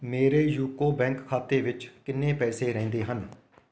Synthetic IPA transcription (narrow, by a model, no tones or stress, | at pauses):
meːɾeːjuːkoːbɛ̃ːŋkkʰaːt̪eːʋɪt͡ʃkɪnːẽːpɛːseːɾɛ̃ːnd̪eːɦən